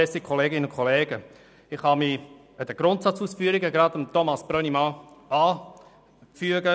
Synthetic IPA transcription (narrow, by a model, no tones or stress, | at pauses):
ɛsikʰoleːɡɪnənʊnkʰoleːɡə | ɪχhɑmi | ədəɡ̥ɾʊntsɑt͡suːsfyːɾiɡəɡɾɑdəmt̪ʰomɑsb̥rœnimɑaː | fyəɡə